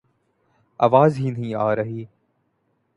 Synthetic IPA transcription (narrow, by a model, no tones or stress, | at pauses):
aːʋaːzɦiːnɦĩːaːɾəɦiː